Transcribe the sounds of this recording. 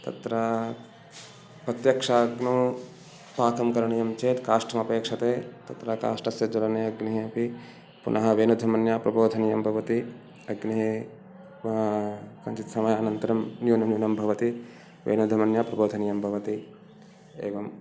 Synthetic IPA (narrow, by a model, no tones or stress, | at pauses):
t̪ɐ̰t̪ɾɐ | pɾɐt̪jɐkʂaːɡnoː | paːkɐmkɐɾɐɳɐjɐmt͡ʃeːt̪kaːʂʈɐmɐpeːkʂɐt̪eːt̪ɐt̪ɾɐka̰ːʂʈɐsjɐd͡ʒɐlɐneːɐɡniɦiɐpi | pṵnʔɐɦɐ̆ʋeːnud̪ʱɐmɐnjaːpɾɐboːd̪ʱɐnijɐmbʱɐʋɐt̪i | ɐɡniɦi | kɐnt͡ʃit̪sɐmɐjɐːnɐnt̪ɐɾɐmnjuːnɐnjuːnɐmbʱɐʋɐt̪i | ʋḛːnud̪ʱːɐmɐnjaːpɾɐboːd̪ʱɐnijɐmbʱɐʋɐt̪i | ḛːʋɐm